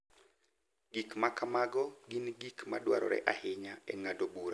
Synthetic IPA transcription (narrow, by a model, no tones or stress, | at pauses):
ɡikmakamaɡɔɡinɡikma̰dwa̰ɾɔ̰ɾɛ̰ʔahɪɲaɛŋadobuɾa